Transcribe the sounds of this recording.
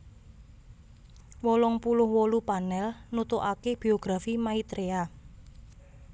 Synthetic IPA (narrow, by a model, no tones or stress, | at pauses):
wɔlɔŋpulʊhwolupanɛlnut̪oʔakeb̥ioɡ̥ɾafimait̪ɾea